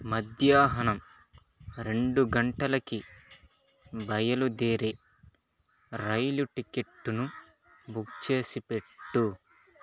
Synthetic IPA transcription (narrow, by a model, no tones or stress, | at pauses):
mɐd̪jaːɦɐnɐm | ɾe̞ɳɖuɡɐɳʈɐlɐki | bɐjɐlud̪eːɾe | ɾɐjluʈike̞ʈːunu | bukt͡ʃe̞ːsipe̞ʈːu